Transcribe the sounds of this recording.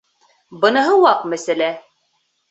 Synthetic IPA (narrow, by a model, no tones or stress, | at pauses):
bɤ̆nɤ̆ɦɤwɑqmæsælæ